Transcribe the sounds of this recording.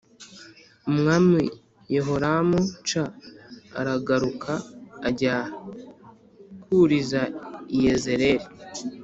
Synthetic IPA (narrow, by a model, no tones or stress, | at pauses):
umŋami | jeɦoɾamut͡ʃa̰ː | ɾaɡaɾukʰaːɟa | kuɾizaijezeɾeɾi